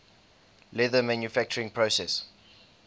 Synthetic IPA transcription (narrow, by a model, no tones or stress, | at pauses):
lɛðəmæ̃njufæk̚t͡ʃəɹɪ̃ŋpʰɹosɛs